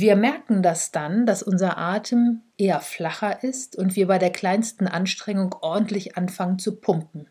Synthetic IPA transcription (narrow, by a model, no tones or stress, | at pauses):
viːɐmɛɐkŋ̩dasd̥and̥asʔʊnzɐʔaːtʰəmʔeːɐflaχɐʔɪstʊntv̥iːɐbaɪɾeːɐkl̥aɪnstn̩ʔanʃtʁ̥ɛŋʊŋʔɔɐdn̩tlɪçʔanfaŋənt͡supʰʊŋkn̩